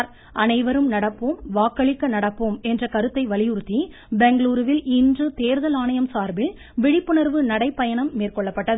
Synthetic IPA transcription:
ɾ | ʔɐnɐɪʋɐɾɯmnɐɽɐpːɯmʋaːkːɐɭɪkːɐnɐɽɐpːɯmɛndrɐkɐɾɯt̪ːɐɪʋɐɭɪjʊɾt̪ːi | bɛŋɡɭuːɾɯʋɪlɪndrɯt̪eːɾðɐlaːnɐjɐmsaːɾbɪl | ʋɪɽɪpːɯɳɐɾʋɯnɐɽɐɪpːɐjɐɳɐmːeːrkɔɭːɐpːɐʈːɐð

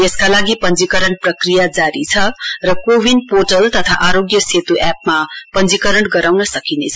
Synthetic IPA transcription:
jeskalaɡipʌnd͡zikʌɾʌɳprʌkrijad͡zaɾit͡sʰʌrʌkobinporʈʌlt̪ʌt̪ʰaʔaɾoɡjʌset̪uʔɛpmapʌnd͡zikʌɾʌɳɡʌɾawnʌsʌkinet͡sʰʌ

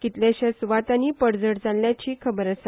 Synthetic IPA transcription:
kit̪ljaɕasuʋat̪aniːpəɽd͡zəɽd͡zalːjat͡ɕiːkʰəbəɾasa

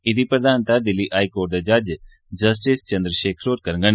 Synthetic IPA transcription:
ɪd̪ipɾɐd̪ʱaːnt̪ad̪ɪlːiʔaːikoːʈ̚d̪ad͡ʒaːd͡ʒ | d͡ʒɐs̬ʈist͡ʃɐ̃nd̪ɾəʃeːkʰɾoːɾkɐɾŋɡən

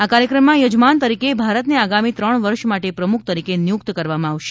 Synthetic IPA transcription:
akaɾjəkɾəmːãjod͡ʒmant̪əɾikebʱaɾət̪neaɡamit̪ɾəɳ̃ʋəɾʃmaʈepɾəmukʰt̪əɾikenjuk̚t̪kəɾʋamãːʋʃe̥

